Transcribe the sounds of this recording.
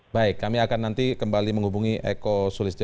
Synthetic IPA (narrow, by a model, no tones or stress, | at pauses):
baɪkːamiakanːant̪ikəmbaliməŋhubuŋiʔḛkosulɪs